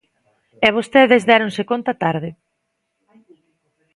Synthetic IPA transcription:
ɛβ̞ost̪eðɪzðɛɾoŋsekont̪at̪aɾðɪ

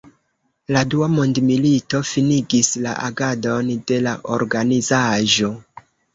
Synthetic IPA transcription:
laduamondmilito̞finiɡisla̰ʔa̰ɡado̞nde̞laʔoɾɡanizaʒo̞

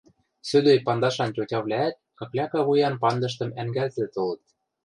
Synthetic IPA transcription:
sø̆d̪øjpɑnd̪ɑʃɑntʲotʲɑβlʲæːt̪̚kɤklʲækɑβujɑnpɑnd̪ɤ̆ʃ̬t̪ɤ̆mæŋɡælzɘ̆t̪olɤ̆t̪̚

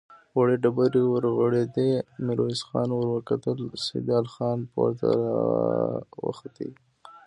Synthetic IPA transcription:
waɽeɖabaɾiwəɾɣəɽed̪emɪɾoisxɑ̰nwəɾwəkat̪əlsɪ̰d̪ɑːlxɑnpwa̰ɾt̪a̰ɾ̰ | wə̰xat̪ḭ

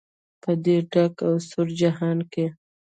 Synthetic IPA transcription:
pəd̪eɖakawsʊɾd͡ʒahɑnke

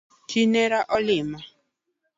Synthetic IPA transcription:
t͡ʃinɛɾaʔɔlɪma

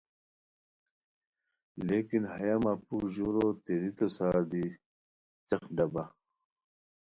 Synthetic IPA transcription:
leːkinhɐjamapukʑoɾot̪eɾit̪osad̪i | t͡sɐxɖɐba

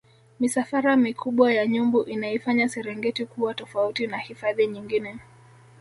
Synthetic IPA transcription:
misafaɾamikʰuɓwajaɲumbuʔinaifaɲasɛɾɛŋɡɛtikuwatɔfautinahifaðiɲiŋɡinɛ

